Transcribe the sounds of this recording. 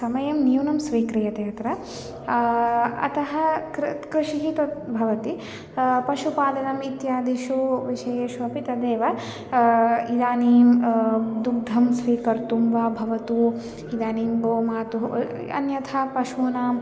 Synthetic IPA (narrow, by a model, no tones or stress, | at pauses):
sɐmɐjɐmnjuːnɐmsʋiːkɾijɐt̪eɐt̪ɾɐ | ɐ̰t̪ɐɦɐ̆ɾkɾiʃiɦit̪ɐt̪bʱɐʋɐt̪i | pɐʃupaːd̪ɐnɐmit̪jaːd̪iʃuʋiʃɐjeːʃʋɐɐpit̪ɐd̪eːʋɐ | id̪aːniːmd̪uɡ̚d̪ʱɐmsʋiːkɐɾt̪umbaːbʱɐʋɐt̪uː | id̪aːniːmboːmaːt̪u | ɐ̰njɐt̪ʰapɐʃuːnaːm